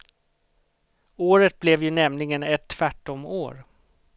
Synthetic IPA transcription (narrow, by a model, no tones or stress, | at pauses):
oːɾət̪̚blɛvjɵnɛmlɪɡənɛt̪ʰːvæʈːɔmo̰ːɾ